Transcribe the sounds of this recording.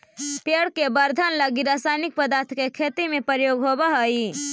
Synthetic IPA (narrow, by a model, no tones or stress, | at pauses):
peɽkebəɾd̪ʱanləɡiɾasajnik̚pəd̪aːɾt̪ʰkekʰet̪imẽpəɾjoːɡɦobaɦəi